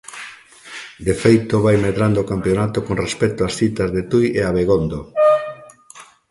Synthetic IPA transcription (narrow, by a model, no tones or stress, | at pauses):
d̪efejt̪oβajmeðɾand̪oːkampjonat̪okonrespɛt̪oasθit̪azðet̪ujeaβeɣond̪o